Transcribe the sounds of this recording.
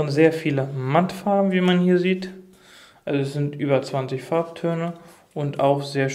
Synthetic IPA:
ənzeːɐfiːləmantfaɐbm̩viːmanhiːɐziːt | ʔalzoɛsz̥ɪntʔyːbɐt͡sv̥ant͡sɪçfaɐp̚tʰøːnə | ʔʊntaʊxz̥eːɐʃ

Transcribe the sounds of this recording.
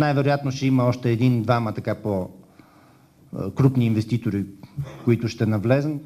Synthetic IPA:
najvɛɾojat̪noʃɛiməɔʃt̪ɛːd̪ind̪vamət̪ɐkapo | kɾupniːnvɛst̪it̪oɾikoit̪ʊʃt̪ɛnɐvlɛzən

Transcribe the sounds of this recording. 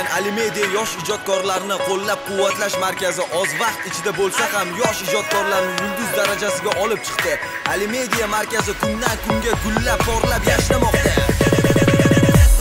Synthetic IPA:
nalɪme̞d̪ijajɒʃɪd͡ʒɒt̪̚kʰɒɾlaɾnɪqʰolˠːap̚qʰʊwːat̪laʃmaɾkʲazɪʔɒzvɑq̚t̪ɪt͡ʃʰɪd̪abolˠsahamjɒʃɪd͡ʒɒt̪̚kʰɒɾlaɾɪnɪjʊld̪ʊzd̪aɾad͡ʒasɪɡʲaʔɒlɪp̚t͡ʃʰɨ̥qt̪ɪ | alɪme̞d̪ijamaɾkʲazɪkʰʊnd̪ankʰʊŋɡʲaɡʰʊlːap̚t̪ʰɒɾlapjaʃɪɾamɒqt̪a

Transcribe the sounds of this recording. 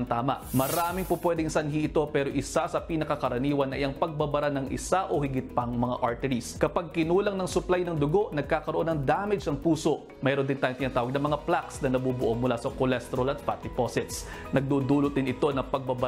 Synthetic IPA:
ŋt̪aːmɐ̰ʔmɐɾaːmɪŋpopwɛːd̪ɪŋsɐnɦiʔɪt̪o̞pɛːɾo̞ʔɪsasɐpinɐkɐkɐɾɐniːwɐnːɐʔɪʔɐŋpɐɡ̚bɐbɐɾanɐŋʔɪ̰saʔo̞hɪɡɪt̪̚pɐŋmɐŋa̰ʔɐɹt̪ɛɾiskɐpaɡ̚kɪnuːlɐŋnɐŋsʊplajnɐŋd̪ʊɡo̞ʔnɐɡ̚kaːkɐɾoʔo̞nɐŋd̪aːmɛd͡ʒɐŋpuːso̞ʔ | mɛːɾond̪ɪnt̪aːjʊnŋt̪ɪnaːt̪aːwɐɡ̚nɐŋmɐŋaplaksnɐnɐbuːbʊʔo̞mʊlasɐkolɛst̪ɾolɐt̪̚pat̪ɪposɪt̪s | nɐɡ̚d̪uːd̪uːlot̪̚d̪ɪnɪt̪o̞nɐpɐɡ̚bɐbɐ

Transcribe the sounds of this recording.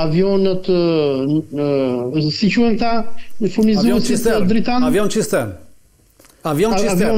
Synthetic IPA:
avijɔnət̪ | sit͡ʃuɛmt̪afuɾnizɛsid̪ɾit̪anvjɔnt͡ʃist̪ɛ | avjɔvɔ

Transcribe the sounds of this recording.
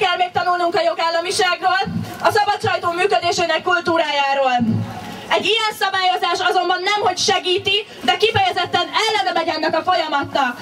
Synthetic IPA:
ɛlmeːk̚t̪ɒnulnuŋkɒjo̞ɡaːlːɒmiʃaːɡroːlɒsɒbɒt̪t͡ʃɒjt̪oːmyːkød̪eːʃønɛkːult̪uːɾaːjaːɾoːl | ɛɟːijɛnsɒbaːjo̞zaːʃɒzo̞mbɒnːɛmho̞cʃɛɡiːt̪i | d̪ɛkifɛjɛzɛt̪ːɛnɛlːɛnɛmɛɟɛnːɛkɒfo̞jɒmɒt̪nɒk

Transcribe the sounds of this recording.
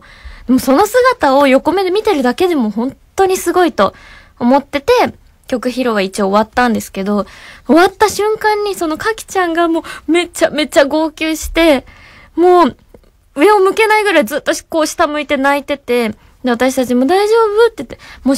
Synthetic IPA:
d̪̥e̞mo̞so̞no̞sɨɡat̪ao̞jo̞ko̞me̞d̪emʲit̪e̞ɾɯ̟d̪ake̞d̪e̞mo̞ɦõ̞nt̪ːo̞ɲ̟isɨɡo̞it̪o̞ː | mo̞t̪ːe̞t̪e̞ | kʲo̞kɯ̟çiɾo̞ɡait͡ɕioːβat̪ːãnd̪e̞sɨ̥ke̞d̪o̞oβat̪ːaɕɨ̃ŋkãɲ̟ːiso̞no̞kakʲi̥t͡ɕãŋɡamo̞ːme̞t͡ɕame̞t͡ɕaɡo̞ːkʲɨːɕi̥t̪e̞ | mo̞ː | ɯ̟e̞o̞mɯ̟ke̞naiɡɯ̟ɾaizɨːt̪ːo̞ko̞ːɕi̥t̪amɯ̟it̪e̞nait̪e̞t̪e̞ | d̪e̞at̪aɕi̥t̪at͡ɕimo̞d̪aiʑo̞ːbɯ̟t̪ːet̪ːemo

